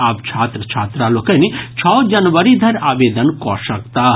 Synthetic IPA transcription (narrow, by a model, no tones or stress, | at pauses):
aːpt͡ʃʰaːt̪ɾət͡ʃʰaːt̪ɾaloːkənit͡ʃʰɔːd͡ʒɐnʋəɾid̪ʱɐɾaːʋeːd̪ənkɔ̰ʃɐk̚t̪aː